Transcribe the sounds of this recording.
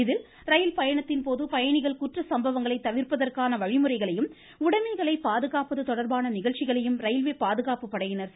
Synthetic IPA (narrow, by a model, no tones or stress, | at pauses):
ɪðɪl | ɾɐjɪlpɐjɐɳɐt̪ːɪnpoːðɯpɐjɐɳɪɣɐɭkʊʈrɐsɐmbɐʋɐŋɡɐɭɐɪt̪ːɐʋɪrpɐðɐrkaːnɐʋɐɻɪmɯrɐɪɣɐɭɐjɯm | ʊɽɐmɐɣɐɭɐɪpaːðɯɣaːpɐðɯt̪ɔɽɐɾbaːnɐnɪɣɐɭt͡ʃːɪɣɐɭɐjɯmɾɐjɪlʋeːpaːðɯɣaːpɯpːɐɽɐjɪnɐɾ